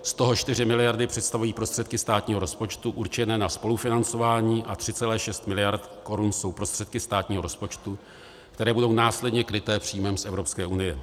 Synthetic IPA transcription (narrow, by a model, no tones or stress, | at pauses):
st̪o̞ɦo̞t͡ʃt̪ɪrɪmɪlɪjaɾdɪpr̝̥ɛt̪st̪avujiːpɾo̞st̪r̥ɛt̪̚kɪst̪aːt̪ɲiːɦo̞ɾo̞spo̞t͡ʃt̪uʔuɾt͡ʃɛnɛːnaspo̞lufɪnant͡so̞vaːɲiːʔat̪r̝̥ɪt͡sɛlɛːʃɛst̪mɪlɪjaɾt̪ko̞ɾunso̞wpɾo̞st̪r̥ɛt̪kɪst̪aːt̪ɲiːɦo̞ɾospo̞t͡ʃt̪u | kt̪ɛɾɛːbudo̞wnaːslɛdɲɛkɾɪt̪ɛːpr̥iːjmɛmsʔɛvɾo̞pskɛːʔunɪjɛ